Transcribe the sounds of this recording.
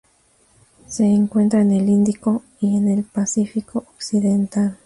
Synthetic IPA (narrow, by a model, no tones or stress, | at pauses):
seːŋkwe̞nt̪ɾaenelind̪iko | ienelpasifikoʔoksiðent̪al